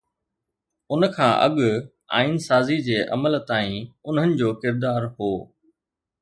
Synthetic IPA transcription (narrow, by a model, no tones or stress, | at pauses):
ʊnə̆kʰãːʔɐ̰ɠʊ | a̰ːinsaːzid͡ʑeːʔɐ̰məlt̪aːĩʊn̤ɦənɪ̆d͡ʑoːkɪɾd̪aːɾɦoː